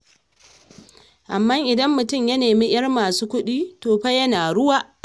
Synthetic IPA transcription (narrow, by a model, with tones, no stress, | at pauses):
ʔa˨mːa˦ŋʔɪ˨dɐ˦mːʊ˨tʊ˦mjɐ˦neː˨miː˦j̰ɐ˦rmaː˨suː˦kʷʊ˦ɗiː˦toː˨ɸa˦jɐ˦naː˨ɽʊ˦waː˦ʔ